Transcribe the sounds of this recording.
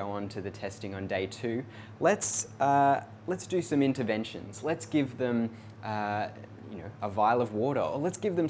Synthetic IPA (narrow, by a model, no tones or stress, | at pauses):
oʊə̃ntʰɨðɨtʰɛstɪ̃ŋə̃ndeɪtʰʉ | lətsʌ | lətsd̥ɨsʌ̃mɪ̃ntə˞vɛ̃nʃɨ̰̃nz̥lətsɡ̥ɪvðɨ̃m | ʔʌ | jɨnoʊəvaɪlˠʌvwɔɾə̰˞ələtsɡ̥ɪvðɨ̃m